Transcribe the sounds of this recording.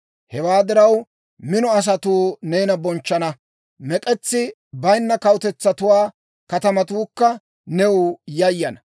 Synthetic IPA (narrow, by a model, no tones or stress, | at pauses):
hɛwaːd̪ɪɾɐw | mɪnɔɐs̬ɐt̪uːneːnɐbɔnt͡ʃːɐnɐ | mɛkʼɛt͡sːɪ | bɐjnːɐkɐwt̪ɛt͡sːɐt̪ʊwaː | kɐt̪ɐmɐt̪uːkːɐ | nɛʊjɐjːɐnɐ